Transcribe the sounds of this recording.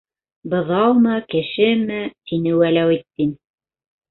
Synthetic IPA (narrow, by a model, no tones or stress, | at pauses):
bɤ̆ðɑwmɤkɘ̆ʃɘmɘt̪inɘwælæwit̪ːin